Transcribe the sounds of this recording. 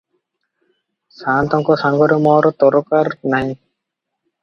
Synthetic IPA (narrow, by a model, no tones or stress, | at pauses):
saːnt̪ɔŋkɔsaŋɡɔɾɔmɔɾɔt̪ɔɾɔkaɾnaɦĩ